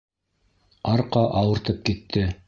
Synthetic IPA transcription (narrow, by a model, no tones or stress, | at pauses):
ɑɾqɑʔɑwɤ̆ɾt̪ɤp̚kit̪ʰːɘ